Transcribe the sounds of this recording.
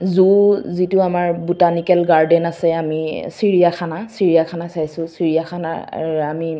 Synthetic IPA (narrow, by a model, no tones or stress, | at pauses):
zuzitʊamaɹbutanikɛlɡaɹdɛnasɛamisiɹijakʰanasiɹijakʰanasajsʊ̃siɹijaxʰana̰ami